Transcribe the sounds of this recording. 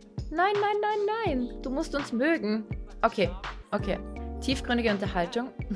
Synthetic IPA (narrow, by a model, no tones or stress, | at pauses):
naɪnːaɪnːaɪnːaɪnd̥uːmʊstʊnsmøːɡŋ̩ʔokʰeːʔokʰḛːtʰiːfɡ̥ʁʏndɪɡəʊntɐɦaltʊŋ